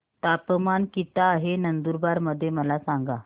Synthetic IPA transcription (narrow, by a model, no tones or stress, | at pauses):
t̪apəmankit̪aːɦenənd̪uɾbaɾməd̪ʱːjeməlasaŋɡa